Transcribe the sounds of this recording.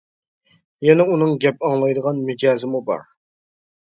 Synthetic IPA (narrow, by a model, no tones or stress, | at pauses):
jɛnɛunɨŋɡʲɛpɑŋlˠɑjd̪əʁɑnmɪd͡ʒɑːzɪmubɑ̰ɾ